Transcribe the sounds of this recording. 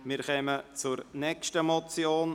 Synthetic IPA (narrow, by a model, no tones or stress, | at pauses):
mɪɾχɛmət͡sʊɾnɛkʃtəmɔt͡sjoːn